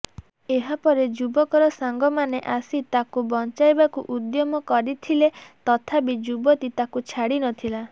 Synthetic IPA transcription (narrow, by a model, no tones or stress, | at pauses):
eɦapɔɾed͡ʒubɔkɔɾɔsaŋɡɔmaneʔasit̪akubɔnt͡ʃajbakuʔud̪jɔmɔkɔɾit̪ʰilet̪ɔt̪ʰabid͡ʒubɔt̪it̪akut͡ʃʰaɽinɔt̪ʰila